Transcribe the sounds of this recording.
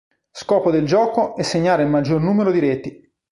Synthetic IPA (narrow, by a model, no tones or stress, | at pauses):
skɔːpod̪eld͡ʒɔːkoɛsːeɲːaːɾeilmad͡ʒːornuːmeɾod̪iɾɛt̪i